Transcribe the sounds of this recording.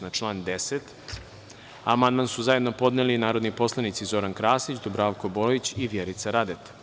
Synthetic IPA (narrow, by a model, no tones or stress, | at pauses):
nat͡ʃlˠaːnd̪eset̪ | amand̪mansuzaje̞d̪no̞po̞d̪nelinaːɾod̪nipo̞slˠanit̪sizo̞ɾankɾaːsit͡ɕd̪obɾaʋkoboit͡ɕiʋjeɾit̪saɾad̪et̪